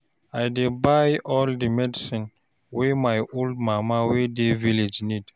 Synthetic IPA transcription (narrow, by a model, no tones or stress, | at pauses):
ajdebajʔɔldimɛdisĩn | wemajʔold̚mamawedeviled͡ʒnid̥